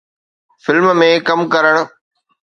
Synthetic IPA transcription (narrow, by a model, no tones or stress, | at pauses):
fɪlmmẽkɐmkɐɾəɽ̃ʊ̆